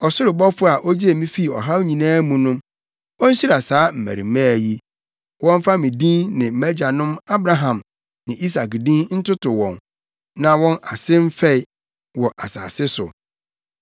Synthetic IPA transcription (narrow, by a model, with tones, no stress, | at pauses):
ɔ˨sʊ˦ɾɪ˨bɔ˦fʊ˦a˨ʔo˦d͡ʑi˦e˨mĩ˦fi˦˨ɔ˨ɦa˦wɲĩ˨nãː˦mũ˨nʊ̃˦m | ɔ˦n̩˦ɕi˦ɾa˨saː˨˦m̩˨mæ̰˨ɾḭ˨mã˦˨ji˦ | wɔ̃˦m˦fa˦mĩ˨dĩ˦nnɪ̃˨m̩˨mæ˦d͡ʑa˨nʊ̃˦ma˦bɾa˨ɦã˨m | nɪ̃˨ʔi˦s̬a˨kdĩ˦nn̩˦tʊ˦tʊ˨wɔ̰̃˨n | nã˨wɔ̃˦na˨sɪ˦m̩˦fɛ˦ɪ˨ | wɔ˨ʔa˨sa̰ː˨sɪ˦sʊ̰˨